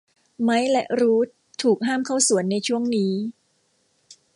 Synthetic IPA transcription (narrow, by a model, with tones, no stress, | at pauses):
ma˦˥jlɛ˨˦˥ʔɾuː˦˥t̪ʰːuː˨˩k̚ɦaː˥˩mkʰa˥˩wsu˨˩˦ənːa˧jt͡ɕʰu˥˩əŋniː˦˥